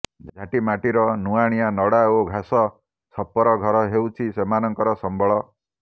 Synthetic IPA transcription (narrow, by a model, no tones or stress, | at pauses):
d͡ʒʱaʈimaʈiɾɔnuaɽ̃ijanɔɽaoɡʱasɔ | t͡ʃʰɔpːɔɾɔɡʱɔɾɔɦewt͡ʃʰisemanɔŋkɔɾɔsɔmbʱɔɭɔ